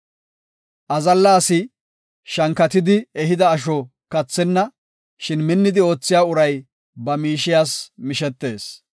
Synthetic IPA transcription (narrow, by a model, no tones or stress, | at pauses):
ʔɐzɐlːaːsɪ | ʃɐŋkɐt̪ɪd̪ɪɛɦɪd̪ɐːʃ̬ɔ | kɐt͡sːɛnːɐ | ʃɪnmɪnːɪd̪ɪo̞ːt͡sːɪjaːʊɾɐj | bɐmiːʃɪjaːsmɪʃɛt̪ːe̞ːs